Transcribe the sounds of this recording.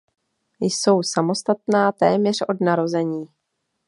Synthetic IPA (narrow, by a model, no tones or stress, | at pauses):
jso̞wsamo̞st̪at̪naːt̪ɛːmɲɛr̝̥o̞dnaɾo̞zɛɲiː